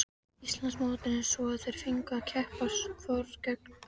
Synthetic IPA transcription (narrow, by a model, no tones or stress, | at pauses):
ist̪lansmoːt̪ɪnɪsɔaðθejɾ̥fiŋkacʰɛhpaskʰvɔɾðcɛk̚n